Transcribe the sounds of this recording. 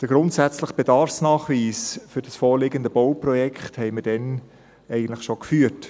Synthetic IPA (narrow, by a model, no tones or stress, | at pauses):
d̥əɡɾʊntsæt͡sləχb̥edɑrfsnɑːχʋiːsfʏɾd̥ɑsfoːɾlɪɡənd̪əbɔwprɔjɛkχthɛɪməɾd̥ɛn | ɛɪɡən̩tləχʃokfyːəɾt